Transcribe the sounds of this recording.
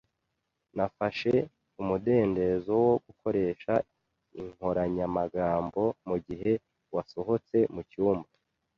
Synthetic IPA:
nafaʃe | umude̞ːnde̞zo̞wo̞ɡukʰo̞ɾe̞ːʃa | iŋ̥ho̞ɾaɲamaɡaːmbo̞muɟiɦe̞ | waso̞ɦo̞t͡se̞mucuːmba

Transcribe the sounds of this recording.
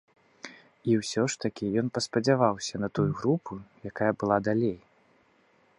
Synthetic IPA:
iwsʲɔʂt̪ɐkʲijɔnpɐspɐd͡zʲavawsʲɐnɐt̪ujuɣɾupʰujakajɐbɨlˠad̪alʲej

